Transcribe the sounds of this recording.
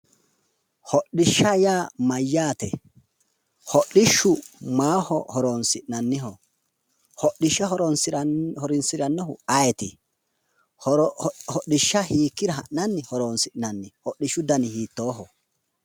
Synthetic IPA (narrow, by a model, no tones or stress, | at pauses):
hɔɗɪʃːɐjaːmɐjːaːt̪ɛ | hɔʔːɪʃːʊmaːhɔhɔɾoːnsɪʔnɐnːɪɦɔ | hɔʔːɪʃːɐɦɔɾɔnsɪhɔɾɪnsɪɾɐnːɔhʊɐjɛt̪ɪ | hɔɗːɪʃːɐhiːkːɪɾɐɦɐʔɐnːɪhɔɾoːnsɪʔnɐnːɪhɔʔːɪʃːʊd̪ɐnɪhiːt̪ːo̞ːɦɔ